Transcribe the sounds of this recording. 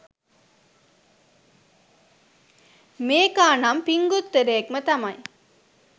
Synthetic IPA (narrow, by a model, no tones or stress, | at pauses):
meːkaːnampiŋɡut̪ːeɾeːkmət̪ɐmɐj